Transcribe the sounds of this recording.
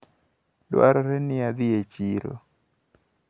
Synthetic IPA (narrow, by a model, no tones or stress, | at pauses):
dwa̰ɾɔɾenɪad̪ɪet͡ʃiɾo̰